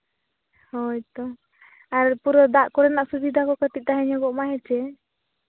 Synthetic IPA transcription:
hɔjt̪ɔ | aɾpuɾɔd̪aʔkɔɾɛnaʔsubid̪ʱakɔkət̪it̪̚t̪aɦɛɲɔɡɔʔmaɦɛt͡ʃɛ

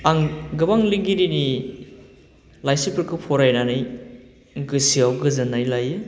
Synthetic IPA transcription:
aŋɡɯbaŋliɡiɾini | lajsipʰɯɾkɯpʰɔɾajnanɯj | ɡɯsiawɡɯzɯnajlajɯ

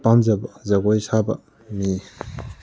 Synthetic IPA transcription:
pamzɐbɐzɐɡojsabɐ̰ | mi

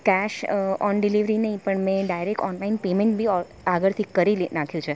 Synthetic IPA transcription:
kɛʃɔnɖiliʋɾinəɦĩpəɳmẽɖajɾek̚ʈɔnlainpemeɳʈbʱi | aɡəɭt̪ʰikəɾilnakʰjũt͡ʃʰe

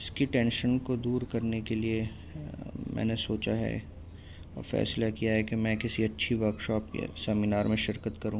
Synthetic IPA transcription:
ɪskiʈɛ̃ːnʃənkod̪uːɾkɐɾnekelie | mɛ̰̃ːnesoːt͡ʃa̰ɦɛ̰ | ɔ̰ːɾfɛ̰ːslakijaɦɛkemɛ̃ːkɪsiɐtːʃʰiʋɐɾkʃɔːpj̰sɛːmɪnaːɾmẽʃɪɾkət̪kɐɾũː

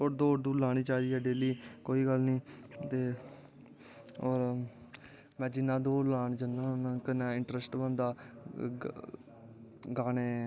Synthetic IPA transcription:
oːɾd̪oːd̪uːlaːɽ̃iːt͡ʃaːd͡ʒiːɛːɖeːliːkoːiːɡəlnĩːt̪eː | oːɾ | mɛ̃ːd͡ʒɪnːãːd̪oːlaːɳd͡ʒɪnãkənãːɪɳʈɾəsʈbənd̪aː | ɡaːneː

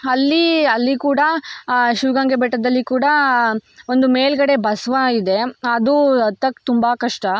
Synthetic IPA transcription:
ɐlːiɐlːikuːɽɐʃuʋɡaːŋɡebɛʈːɐd̪ɐlːikuːɽɐ | o̞nd̪umeːɭɡɐɽe̞bɐsʋɐid̪e̞ɐd̪uɐt̪ːɐkt̪umbɐkɐʂʈɐ

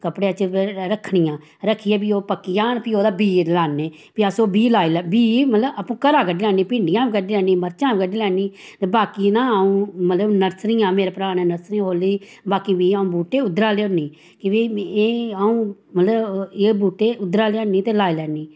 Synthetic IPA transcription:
kəpɽeːat͡ʃəɾəkʰːɳɪjãː | ɾəkʰːɪjɛːpiːoːpəkːɪjãːnpiːoːd̪aːbiːlaːnːeː | piəsoːbiːlaːilɛbiːmət̪ləbapũːkəɾaːkəɖiːlɛːniːpɪ̃ːɳɖɪjãːbkəɖiːlɛːniːməɾt͡ʃãːbkəɖiːlɛːniː | t̪eːbaːkiːnãːaːũːmət̪ləbnəɾsɾɪjãːmeːɾeːpɾaːnɛːnəɾsɾ̃ːɦoːliː | baːkiːbiːaːũːbuːʈeːʊd̪ɾaːleːonːiː | kɪʋieːaːũːmət̪ləbeːbuːʈeːʊd̪ɾaːleoːnːiːt̪eːlaːilɛːnːiː

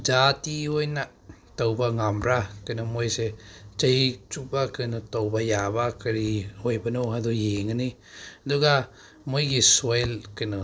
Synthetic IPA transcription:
d͡ʒatiojna | tawbaŋamɾakɯnɯmojset͡ʃajt͡ʃubakɯnɯtawbajabakɯɾihojbanɔwɦadɔjeŋɯni | aduɡa | mojɡisoelkɯnɯ

